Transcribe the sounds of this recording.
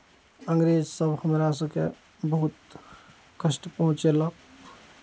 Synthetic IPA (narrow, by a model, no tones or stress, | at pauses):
əŋɡɾeːd͡ʒsəbhəmɾas̬əkḛ | bəɦut̪ | kəsʈpəɦʊ̃t͡ʃelək